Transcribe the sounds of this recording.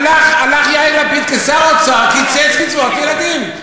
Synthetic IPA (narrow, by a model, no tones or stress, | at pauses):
laχalaχjajlapit̪kesaʁot͡sakit͡set͡smit͡svot̪jelad̪im